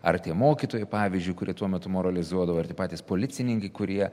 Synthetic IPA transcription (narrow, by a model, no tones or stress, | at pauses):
ɐrt̪ʲiɛmoːkʲit̪oːjɛɪpɑːʋʲɪzʲd͡ʒʲʊjɪkʊɾʲiɛt̪uɔmʲɛt̪ʊmoːɾɐlʲɪzuɔd̪ɐʋoɐrt̪ʲiɛpɑːt̪ʲiːspoːlʲɪt̪sʲɪnʲɪŋkɐɪkʊɾʲiɛ